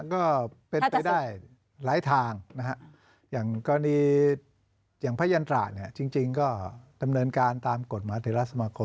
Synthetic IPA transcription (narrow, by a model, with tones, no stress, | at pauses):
kɔː˥˩pe˧npa˧jdaː˥˩j | ɾaː˦˥jt̪ʰaː˧ŋna˦˥kʰa˦˥ʔ | jaː˨˩ŋkɔː˧niː˧ | jaː˨˩ŋpʰaː˦˥˩ja˧nt̪ɾa̰ː˨˩ni˥˩ɐt͡ɕi˧ŋt͡ɕi˧ŋkɔː˥˩da˧mnɤː˧nkaː˧nt̪aː˧mko˨˩t̪̚maː˨˦˥t̪ʰiː˨˦ɾa˦˥t̪̚sa˧maː˧kʰo˧